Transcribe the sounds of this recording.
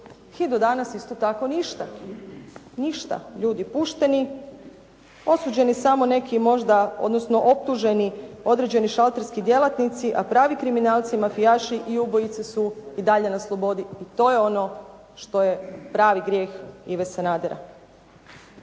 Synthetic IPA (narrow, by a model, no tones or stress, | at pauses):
xid̪od̪anasist̪o̞t̪ako̞niʃt̪a | niʃt̪a̰ʎuːd̪ipuʃt̪e̞ni | o̞sud͡ʑe̞nisamo̞ne̞kimo̞ʒd̪ao̞̰d̪no̞sno̞ʔo̞p̚t̪uʒe̞nio̞d̪ɾe̞d͡ʑe̞niʃalˠt̪eɾskid̪je̞lˠat̪nit̪siʔapɾaːʋikɾiminaːlˠt̪simafijaʃiʔiubojit̪sesuid̪aʎenaslˠobo̞d̪iit̪o̞ːje̞o̞no̞ | ʃt̪o̞je̞pɾaːʋiɡɾjeːxiʋesanaːd̪eɾa̰